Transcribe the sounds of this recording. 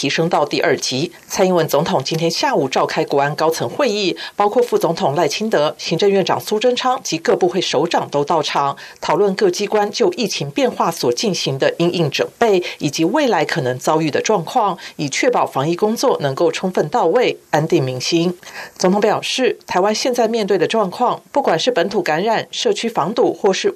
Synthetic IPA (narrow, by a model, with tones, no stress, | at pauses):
t̪ʰi˧˥ʂɤ˥ŋt̪ɑ˥˧ʊt̪i˥˧ʔə˞˥˩t͡ɕi˧˥ | t͡sʰa˥ni˥nwə˧˥nt͡sʊ˧˥ŋt̪ʰʊ˨˩ŋt͡ɕi˥nt̪ʰjɛ˥nɕja˥˩u˨˩ʈ͡ʂɑ˥˩ʊkʰa˥ɪkwɔ˧˥a˥nkɑ˥ʊt͡sʰɤ˧˥ŋxwe˥˧ɪi˥˩pɑ˥ʊkʰwɔ˥˧fu˥˩t͡sʊ˧˥ŋt̪ʰʊ˨˩ŋla˥˩ɪt͡ɕʰi˥nt̪ɤ˧˥ɕi˧˥ŋʈ͡ʂɤ˥˧ŋɥɛ˥˩nʈ͡ʂɑ̰˨˩ŋsu˥ʈ͡ʂə˥ŋʈ͡ʂʰɑ˥ŋt͡ɕi˧˥kɤ˥˧pu˥˧xwe˥˩ɪʂo˧˥ʊʈ͡ʂɑ˨˩ŋt̪o˥ʊt̪ɑ˥˩ʊʈ͡ʂʰɑ˨˩˦ŋ | t̪ʰɑ˨˩ʊlwə˥˧nkɤ˥˩t͡ɕi˥kwa˥nt͡ɕjo˥˧ʊʔi˥˩t͡ɕʰi˧˥ŋpjɛ˥˧nxwa˥˩swɔ˨˩t͡ɕi˥˩nɕi˧˥ŋd̪ə˧ʔi˥ŋʔi˥˩ŋʈ͡ʂə˨˩npe˥˩ɪi˨˩t͡ɕi˧˥we˥˩ɪla˧˥ɪkʰɤ˨˩nɤ˧˥ŋt͡sɑ˥ʊy˥˩d̪ə˩ʈ͡ʂwɑ˥˧ŋkʰwɑ˥˩ŋi˨˩t͡ɕʰɥɛ˥˩pɑ˨˩ʊfɑ˧˥ŋi˥˩kʊ˥ŋt͡swɔ˥˩nɤ˧˥ŋko˥˩ʊʈ͡ʂʰʊ˥ŋfə˥˧nt̪ɑ˥˧ʊwe˥˩ɪa˥nt̪i˥˩ŋmi˧˥ŋɕi˥nt͡so˧˥ŋt̪ʰʊ˧pjɑ˨˩ʊʂɻ̩˥˩t̪ʰa˧˥ɪwa˥nɕjɛ˥˧nt͡sa˥˧ɪmjɛ˥˧nt̪we˥˩ɪd̪ə˩ʈ͡ʂwɑ˥˧ŋkʰwɑ˥˧ŋpu˥˩kwa˨˩nʂɻ̩˥˩pə˧˥nt̪ʰu˨˩ka˧˥nɻa˨˩nʂɤ˥˩t͡ɕʰy˥fɑ˧˥ŋt̪u˥˩xwɔ˥˧ʂɻ̩˥˩